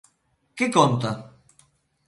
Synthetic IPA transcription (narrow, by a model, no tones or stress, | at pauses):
kekɔnt̪a